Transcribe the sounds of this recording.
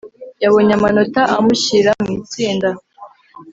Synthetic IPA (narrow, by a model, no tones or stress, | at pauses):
jaβo̞ɲamanotaʔamuɕiɾamŋiːt͡siːnda